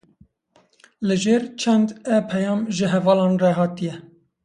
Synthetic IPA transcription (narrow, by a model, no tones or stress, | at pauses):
lɨʒeːɾt͡ʃʰɛnd̪ɛpʰɛjɑːmʒɨɦɛvɑːlɑ̃ːnrɛɦɑːt̪ijɛ